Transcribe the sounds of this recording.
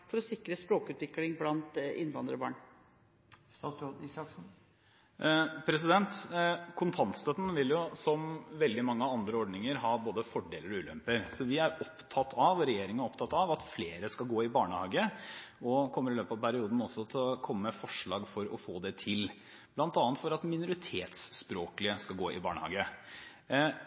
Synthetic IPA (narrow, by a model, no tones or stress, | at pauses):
fɔɾɔsɪkɾəspɾoːkʉːt̪ʋɪklɪŋblɑnt̪ɪ̰nʋɑnd̪ɾɔbɑ̰ːɳ | sɑksn̩ | pʰɾɛsɪd̪ɛnt̪kʰʊnt̪ʰɑnt̪st̪œt̪n̩ʋɪljʊsɔmʋɛld̪ɪmɑŋːəɑnd̪ɾəɔɖnɪŋəɾɦɑːboːd̪əfɔɖḛːləɾɔʉːlœ̰mpəɾsɔʋɪæɾɔpt̪ʰɑt̪ʰɑʋɾɛjeːɾɪŋənæɔpt̪ʰɑt̪ɑʋɑt̪fleːɾəskɑlɡoːɪbɑːɳəhɑːɡəɔkʰɔmːəɾɪløːpɑʋpʰæɾɪuːd̪n̩ɔsːɔt̪ʰɪɔkʰɔmːəːəfɔʂɭɑːɡfɔɾɔfoːd̪ɛt̪ʰɪl | blɑnt̪ɑːnt̪fɔɾɑt̪mɪnʊɾɪt̪ʰeːt̪spɾoːklɪəskɑlɡoːʔɪ̰bɑ̰ːɳə̰hɑ̰ːɡə